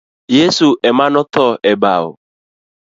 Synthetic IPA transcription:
jesuʔɛmanɔtɔʔɛbaʊ̰

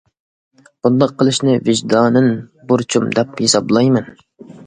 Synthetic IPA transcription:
b̥und̪ɑqʰːəlˠɨʃnɪvɪʒd̪ɑːnɨnbuɾt͡ʃʰumd̪ɛphesɑblˠɑjmɛn

